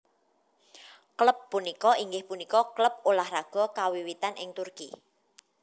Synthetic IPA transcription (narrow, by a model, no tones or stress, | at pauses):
kləpːunikɔiŋɡɪhpunikɔkləp̚olahraɡ̥ɔ̤kawiwit̪anʔɪ̰ŋt̪urki